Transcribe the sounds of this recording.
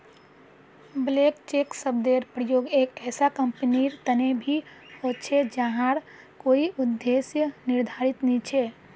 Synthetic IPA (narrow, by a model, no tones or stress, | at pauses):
blekt͡ʃeksəbd̪eɾpɾəjoːɡekɛːsakəmpniɾt̪ənebʱi | hott͡ʃʰed͡ʒəɦãɾ | koːiʊd̪ːesjənɪɾd̪ʱaɾit̪nĩt͡ʃʰe